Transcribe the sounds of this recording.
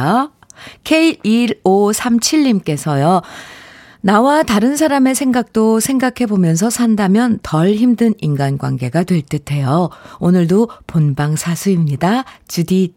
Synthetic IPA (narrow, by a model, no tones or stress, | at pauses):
kʰe̞iiɾosʰamt͡ɕʰiɭːimk͈e̞sʰʌjo | nawataɾɯnsʰaɾame̞sʰe̞ŋɡak̚t͈osʰe̞ŋɡakʰe̞bomjʌns̬ʰʌsʰandamjʌntʌɭçimdɯninɡanɡwa̰nɡe̞ɡadwe̞ɭt͈ɯtʰe̞joonɯɭdoponbaŋsʰasʰuimɲidat͡ɕudi